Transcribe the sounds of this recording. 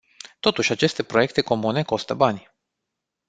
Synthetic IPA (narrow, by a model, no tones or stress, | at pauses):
t̪o̞t̪uʃʲat͡ʃe̞st̪e̞pɾo̞je̞k̚t̪e̞ko̞mune̞ko̞st̪əbanʲ